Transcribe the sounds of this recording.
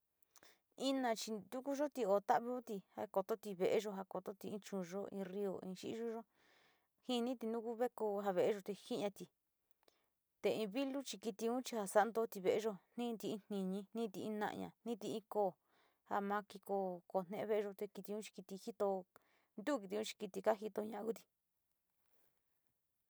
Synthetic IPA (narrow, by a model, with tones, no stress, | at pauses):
ĩ˦nã˧t͡ʃi˧d̪u˦ku˦ʒo˦t̪i˧o˧t̪a˦ʔβi˧˦o˦t̪i˧ha˧ko˧t̪o˦t̪i˧βe˧˨ʔe˧ʒo˧ɦa˧ko˧t̪o˦t̪i˧ĩ˧˦t͡ʃũ˧ʒo˦ḭ̃˧ri˧o̰˨ĩ˧ʃḭ˦ʒu˦ʒo˦ | hĩ˦˧nĩ˦t̪i˧nũ˦ku˦βe˦ko˧ɦa˧βe˨˧ʔe˦ʒo˧t̪e˧hi˦ɲã˧t̪i˧ | t̪e˧ĩ˧βi˦lu˦t͡ʃi˧ki˧t̪i˧ũ˦t͡ʃi˧ha˧sa˦nd̪o˧˦t̪i˧βe˧ʔe˧˦ʒo˧n̥nĩ˦nt̪i˧ĩ˧˦n̥ĩ˧ɲĩ˧nĩ˦t̪i˧ʔĩ˦nã̰˧ʔɲã̰˧˨nĩ˦t̪i˧ĩ˧koː˦˨ | ha̰˧mã˧ki˧ko˧ko˧˨n̥nẽ˧ʔẽ˧βe˧ʔe˧ʒo˧t̪e˧ki˧t̪i˧ũ˦t͡ʃi̥˧ki˧t̪i˧hi˦t̪o˧ | nd̪u˦˧ki˧t̪i˧ũ˦t͡ʃi̥˧ki˧t̪i˧ka˦ɦi˧t̪o˧ɲã˧ʔa˧ku˦t̪i̥˧